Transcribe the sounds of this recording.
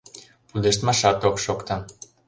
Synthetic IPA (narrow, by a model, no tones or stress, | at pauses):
pud̪eʃt̪mɑʃɑt̪okʃokt̪ɤ